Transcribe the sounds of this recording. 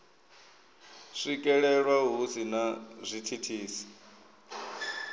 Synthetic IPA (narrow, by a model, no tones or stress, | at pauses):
ʂikʼɛɺɛɺwaɦusinazʷitʰitʰiːsi̥